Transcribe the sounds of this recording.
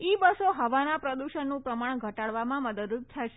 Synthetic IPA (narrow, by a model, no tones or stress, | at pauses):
ibəsoɦəʋanapɾəd̪uʃənːũpɾəmaɳ̃ɡʱəʈaɭʋamãməd̪əd̪ud̪̚t̪ʰaʃe